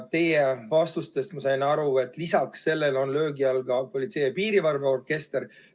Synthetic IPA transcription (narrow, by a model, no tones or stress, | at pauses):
t̪e̞jevɑst̪ust̪e̞st̪mɑsɑjnɑɾue̞t̪ˑlisɑksːe̞lːe̞lo̞nlø̞ːɡiɑlɡ̥ɑpo̞lʲit̪sejepiːɾivɑrveo̞rke̞st̪er